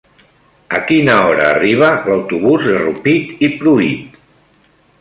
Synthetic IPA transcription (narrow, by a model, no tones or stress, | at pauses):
əkinaɔɾa̰ːriβ̞əlawt̪uβuzðərupit̪ipɾuit̪